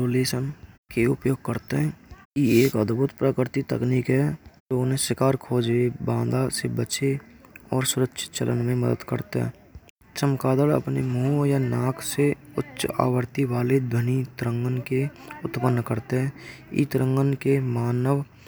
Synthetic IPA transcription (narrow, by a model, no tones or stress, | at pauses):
oːleːsənkeʊ̰pjoːɡ̚kəɾt̪eɦɛ̃ːieːkəd̪bʊt̪pɾəkɾɪɾt̪it̪ə̰kniːkɦɛd͡ʒonɦẽsɪkaːɾkʰoːd͡ʒebãːnd̪asebət͡ʃe | ɔːɾsʊɾəkʃʰɪ̥t̪t͡ʃə̰lʔənmẽməd̪ə̰d̪kə̰ɾt̪ḛɦɛ̰̃ː | t͡ʃəmkaːd̪əɽə̰pnemõːjanaːkʰseʊtːʃa̰ːwəɾt̪iʋaːled̪ʱənit̪ɾə̃ŋɡənkeʊt̪pənːkəɾt̪eɦɛ̃ːḭt̪ɾə̃ŋɡənkemaːnəʋ